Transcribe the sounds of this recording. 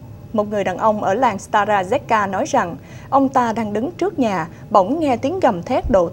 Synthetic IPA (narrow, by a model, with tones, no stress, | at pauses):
mo˨˩t̚ŋɨ˨˩əjɗaː˨˩nʔə˧wŋ͡mʔəː˧˩laː˨˩nst̪aː˧zaː˧zɛ˦˥t̚kaː˧nɔ˨˦jza˨˩ŋ | ʔə˧wŋ͡mt̪aː˧ɗaː˧ŋɗɨ˨˦ŋt͡ɕɨ˦˥ək̚ɲaː˨˩ | ɓə˧˩wŋ͡mŋɛ˧t̪i˨˦ənɣə˨˩mt̪ʰɛ˦˥t̚ɗo̰˧˨